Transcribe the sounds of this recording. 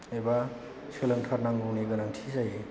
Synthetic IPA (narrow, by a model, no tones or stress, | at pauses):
eba | sɯlɯŋtʰaɾnaŋɡuwniɡɯnaŋtʰisaje